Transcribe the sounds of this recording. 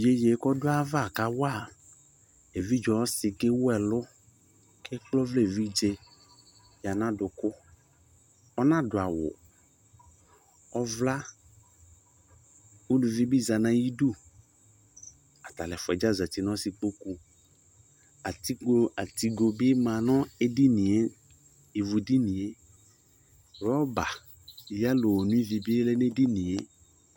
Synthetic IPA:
je˦je˨˦kɔ˦dʊ˦a˦va˦˨ka˦wa˦˨ | e˨vi˦d͡ʒɔ˨˦sɪ˨ke˦wʊ˦ɛ˨lʊ˦ | kʰɛ˦k͡plɔ˦vle˦˨vi˦d͡ʒe˦ | ja˨nã˦dʊ˨kʊ˦ | ɔ˦nã˦dʊ˨a˨wʊ̰˨ | ɔ˦vla˦ | wu˦lu˨vi˦bi˦za˨nã˨ji˦du˦˨ | a˨t̪a˨lɛ˨fʊ˨ɛ˨d͡ʒa˦za˨t̪i˨nɔ̃˦sɪ˨k͡po˦ku˨ | a˨ti˦ɡo˦a˨t̪i˨ɡo˨bɪ˦mã˨nɔ̃˦e˦di˦nĩ˨e˦ | i˨vu˨di˦nĩ˨e˦ | ɾɔ˦ba˨ | ja˦lo˨wɔ˨nũ˦i˦vi˨bi˦e˦lɛ˦ne˦di˦nĩ˨e˦

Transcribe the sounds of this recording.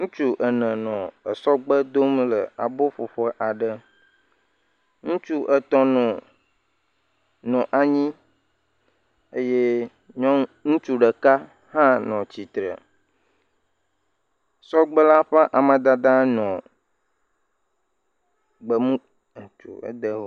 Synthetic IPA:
ŋũ˦t͡ʃu˦ʔə˨nə̃˨nɔ̃˨ə˨sɔ˦ɡ͡bə˦d̪o˦mlə˨a˨bo˦ɸo˨ɸə˦ʔa˨ɖə˨ | ŋũ˦t͡ʃu˦ʔə˨t̪ɔ̃˦nɔ˨ | nɔ̃˨ʔa˨ɲĩ˦ | e˦je˦ | ɲɔ̃˦ŋũ˦t͡ʃu˦ɖə˨ka˦ | hã˦nɔ̃˨t͡ɕi˨t̪ɾə̰˨ | sɔ˦ɡ͡bə˦la˦ɸɛ˦ʔa˨mə̃˨d̪a˦d̪a˦nɔ̃˨ | ɡ͡bə˨mũ˦˨ | t͡ʃṵ˨ə̰˦d̪ə˦o˦

